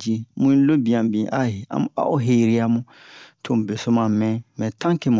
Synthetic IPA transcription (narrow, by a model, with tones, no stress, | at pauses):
d͡ʒi˧mũ˦ĩ˦lo˦bĩ˨ã˨bĩ˨ʔa̰˦˨a̰˨m˨a̰˦ʔo˦ɦe˨ɾi˦a˨mũ˦ | tʰo˨m̩˨be˨so˦mã˨mɛ̃˦mɛ̃˨tã˦ŋke˨mũ˨